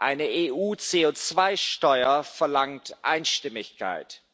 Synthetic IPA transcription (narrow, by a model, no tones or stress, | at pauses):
ʔa̰ɪnəʔeːʔuːt͡seːoːt͡sv̥aɪʃtɔʏɐfɛɐlaŋtʔa̰ɪnʃtɪmɪçkʰa̰ɪt